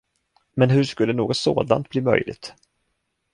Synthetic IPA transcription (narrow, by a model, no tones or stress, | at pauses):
mɛnɦɵʂkɵlːənoːɡɔt̪soːd̪a̰nt̪̚b̥liːmœ̰jlɪ̰ɡt̪